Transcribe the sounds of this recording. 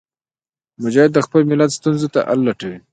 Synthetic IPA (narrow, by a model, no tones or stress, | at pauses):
mʊd͡ʒahɪd̪ːəxpəlmɪlat̪st̪unzet̪a̰ʔa̰lːaʈawi